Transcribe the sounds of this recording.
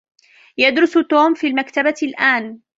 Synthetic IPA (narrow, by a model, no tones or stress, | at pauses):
jad̪ɾʊst̪oːmfiːlmakt̪abalʔaːn